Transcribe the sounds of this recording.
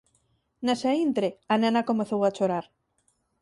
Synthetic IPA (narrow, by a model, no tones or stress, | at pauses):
nasaint̪ɾeanãnakomeθowat͡ʃoɾaɾ